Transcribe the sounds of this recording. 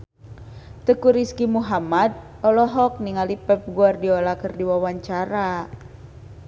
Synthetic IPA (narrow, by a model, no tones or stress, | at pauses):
t̪əkuɾiskimuɦamad̪̚ | ɔlɔɦɔk̚niŋalipɛp̚ɡuardiɔlakərdiwawaɲt͡ʃaɾa